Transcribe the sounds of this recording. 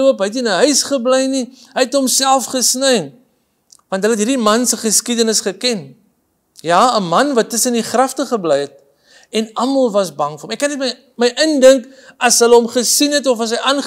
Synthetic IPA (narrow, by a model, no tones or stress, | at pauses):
uəpɦəjt̬iənəɦœɥsχəbləjniɦəjɛtɦɔmsælˠfχəsnəj | vɐntɦəlɦətɦiːrdimɐnsəχəskidənəsχəkɛn | jɑːəmɐnvɐtːəsəniχrɐftəχəbləjɛt̚ | ɛnɐmɐlˠvɐsbɐŋfəromɛkːɐnɛtmə | məjʔəndəŋkɐsɦələɦɔmχəsinɦɛtɔfɐsəjɐn